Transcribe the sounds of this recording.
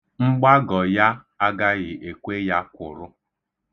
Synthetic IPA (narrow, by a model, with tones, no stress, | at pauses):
ŋ͡m̩˦ɡ͡ba˦ɡɔ˨ja˦ | a˦ɡa˦ɣɪ˨ʔe˨kʷe˦ja˦kʷʊ̰˨ɾʊ˦